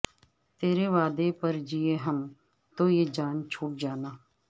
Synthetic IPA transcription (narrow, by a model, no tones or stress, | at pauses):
t̪eːɾeʋaːd̪epəɾd͡ʒieːɦəm | t̪oːjeːd͡ʒaːnt͡ʃʰoːʈ̚d͡ʒaːnaː